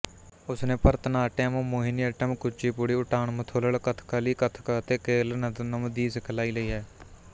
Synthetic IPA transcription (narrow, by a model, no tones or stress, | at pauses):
ʊsnẽːpəɾt̪ənaːʈɛːmomoːɦɪniəʈəmkʊt͡ʃiːpʊɽiːʊʈʰaːɳmət̪ʰoːləɭkət̪ʰkaliːkət̪ʰkət̪eːkeːlnnəmd̪iːskʰəlaːiːləiːɦɛː